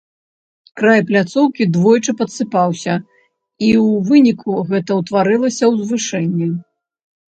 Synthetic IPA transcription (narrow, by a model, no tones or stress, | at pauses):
kɾajplʲat̪sɔwkʲid̪vɔjt͡ʂɨpɐt̪sɨpawsʲɐ | iwvɨnʲikʰuɣɛt̪ɐwt̪vaɾɨlˠɐsʲɐwzvɨʂɛnʲːɛ